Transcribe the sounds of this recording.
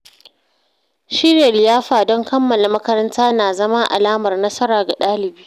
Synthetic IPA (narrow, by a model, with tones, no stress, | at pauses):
ʃɪ˦ɾja˨lɪ˨jaː˦ɸaː˨dɔ˦ŋkɐ˦mːɐ˨la˨mɐ˦kɐ˦ɾɐ˦ntaː˦naː˨zɐ˦ma˦ʔa̰˨laː˦mɐ˨rnɐ˦sɐ˦ɾaː˨ɡa˨ɗaː˦lɪ˨biː˦